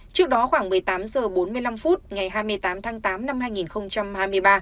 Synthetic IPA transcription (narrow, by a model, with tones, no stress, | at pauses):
t͡ɕɨ˦˥ək̚ɗɔ˨˦xwaː˧˩ŋmɨ˨˩əjt̪aː˨˦mzəː˨˩ɓo˨˦nmɨ˧əjla˧mfu˦˥t̚ŋa˨˩jɦaː˧jmɨ˧əjt̪aː˨˦mt̪ʰaː˨˦ŋt̪aː˨˦mna˧mhaː˧jŋi˨˩nxə˧wŋ͡mt͡ɕa˧mhaː˧jmɨ˧əjɓaː˧